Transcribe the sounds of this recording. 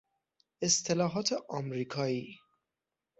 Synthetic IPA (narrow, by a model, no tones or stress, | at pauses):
est̪ʰe̞lɒːɦɒːt̪ʰeʔɒmɾiːkʰɒːiː